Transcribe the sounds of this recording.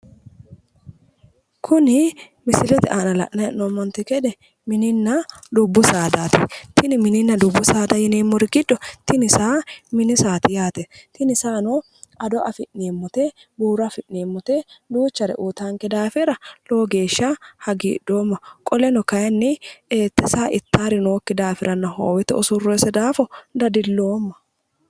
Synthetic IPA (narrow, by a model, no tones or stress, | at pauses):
kʰʊnɪ | mɪsɪlɛt̪ɛ̰ʔaːnɐlɐ̰ʔnɐjɛʔnomːɔnt̪ːɛkɛd̪ɛ | mɪnɪnːɐd̪ʊbːʊsaːd̪aːt̪ɛ̰t̪ɪnɪmɪnɪnːɐd̪ʊbːʊsaːd̪ɐjɪneːmːɔɾɪɡɪd̪ːɔt̪ɪnɪsaːmɪnɪsaːt̪ɪjaːt̪ɛt̪ɪnɪsaːnɔ | ɐd̪ɔʔɐfɪʔneːmːɔt̪ebuːɾɐfɪʔneːmːɔt̪ɛd̪uːt͡ʃːɐɾɛ̰ʔuːt̪aŋkɛd̪aːfɪɾɐloːɡe̞ːʃːahɐɡiːdoːmːɐkʼɔlɛnɔkɐjɐnːɪeːt̪ːɛsaːʔɪt̪ːaːɾɪnoːkːɪd̪aːfɪɾɐnːɐɦo̰ːwɛt̪ɛɔsʊrːoːsɛd̪aːfɔd̪ɐd̪ɪlːoːmːɐ̥